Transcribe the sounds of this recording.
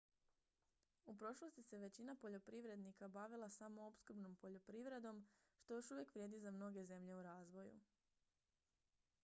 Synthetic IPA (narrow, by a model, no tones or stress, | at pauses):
upɾo̞ʃlˠo̞st̪ise̞ʋe̞t͡ɕinapo̞ʎo̞pɾiʋɾe̞d̪nikabaʋilˠasamo̞opskɾ̩bno̞mpo̞ʎo̞pɾiʋɾe̞d̪o̞mʃt̪o̞jo̞ʃuʋje̞kʋɾjed̪izamno̞ɡe̞ze̞mʎe̞uɾaːzʋo̞jṵ